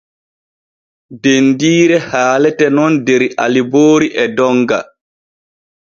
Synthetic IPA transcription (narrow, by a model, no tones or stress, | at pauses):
dendiːɾɛhaːlɛtɛnɔndeɾiʔa̰liboːɾiʔɛdɔŋɡa